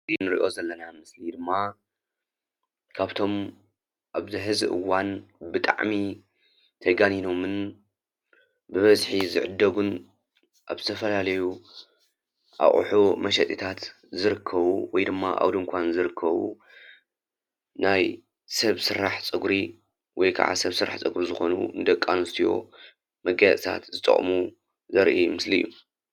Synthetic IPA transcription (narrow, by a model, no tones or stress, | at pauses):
zinɨɾḭʔo̞zɐlːɐnamɨslid̪ɨmːa | kʰaβt̪ʰo̞m | ʔaβzɨħɨzɨ̰ʔɨ̰wːanbɨt̪ʼa̰ʕmi | t̪ʰɐɡanino̞mɨn | bɨβɐzħizɨ̰ʕɨd̪ːɐɡun | ʔa̰βzɨt̪ʰɐfɐlalɐju | ʔa̰χʼṵħumɐʃɐt̪ʼit̪ʰat̪ | zɨɾɨkʰːɐβuwɔjd̪ɨmːaʔa̰wd̪uŋkʷʰanzɨɾɨkʰːɐβṵ | naj | sɐβsɨɾaħt͡sʼɨɡɾi | wɔjkʰa̰ʕa̰sɐβsɨɾa̰ħt͡sʼɨɡɾzɨxo̞̰nṵnɨd̪ɐkʼːanɨst̪ʰijo̞̰ | mɐɡajat͡sʼt̪ʰa̰t̪zɨt̪ʼɐ̰χʼmu | zɐɾʔimɨsliɨ̰jːṵ